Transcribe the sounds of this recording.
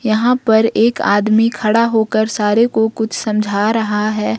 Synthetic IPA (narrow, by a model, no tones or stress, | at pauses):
jɐɦãpɐɾeːka̰ːd̪mikʰɐɽaɦoːkəɾsaːɾekokʊt͡ʃʰsɐ̃md͡ʒʱaɾɐɦaɦɛː